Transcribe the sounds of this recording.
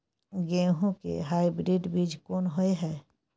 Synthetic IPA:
ɡeːɦõkḛɦaːibɾiːɖbiːd͡ʒkoːnɦoeɦɛː

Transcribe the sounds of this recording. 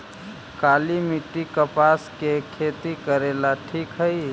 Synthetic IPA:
kaːlimiʈːikəpaskekʰet̪ikəɾelaʈʰiːkɦəi

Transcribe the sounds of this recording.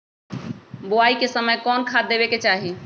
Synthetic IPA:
boaikesəməjkɔnkʰad̪ebeket͡ʃaɦi

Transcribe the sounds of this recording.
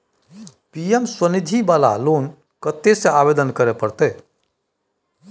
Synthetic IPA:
piemswənid̪ʱibala̰loːn | kət̪ːeseaːbed̪ənkəɾepəɾt̪e

